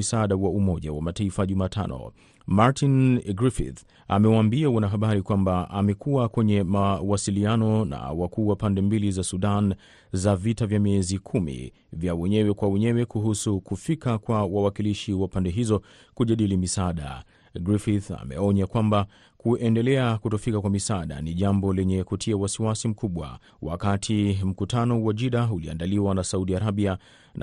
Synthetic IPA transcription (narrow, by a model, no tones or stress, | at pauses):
isaaɗawaumɔʄa̰wamataifaʄumaːtʰa̰nɔ̰ | maɾtʰinɡɾifḭθ | amɛwaːmbiawanaɦaɓaɾikwambaamɛkuwakwɛɲɛmawasilianɔna̰wakuːwapandɛmbilizasuɗan | zavitavjamiɛzikʰumḭ | vjawɛɲɛwɛkwawɛɲɛwɛkuɦusukufikakwawawakiliʃiwapandɛɦizɔ | kuʄaɗilimisaːɗa̰ | ɡɾifiθa̰mɛ̰ɔɲakwamba | kuʔɛndɛlɛakutɔfikakwamisaɗa̰niʄambɔlɛɲɛkutʰiawasiwasim̩kuɓwa̰ | wa̰katʰim̩kutʰanɔwaʄiɗaulia̰ndaliwanasauɗiaɾabia | n